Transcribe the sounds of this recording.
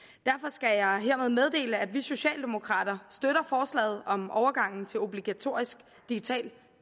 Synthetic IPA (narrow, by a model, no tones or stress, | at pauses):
d̥æɐfɒ̽sɡ̥æjɑ̈ɪɦeɐ̰með̞ˠmeð̞ˠd̥e̝̰ːləæd̥ʋiso̝ɕɛ̰ːld̥e̝mo̝kʰʁɑ̰̈ːd̥ɐsd̥øɾ̥ɐfɒːslɛ̰ːð̞̩ˠɒ̽mʔɒʊɐɡ̥ɑ̈ŋ̰n̩t͡sʰe̝lo̝b̥liɡ̥æt͡sʰo̝ɐ̰isɡ̥ | d̥iɡ̥it͡sʰɛ̰ːl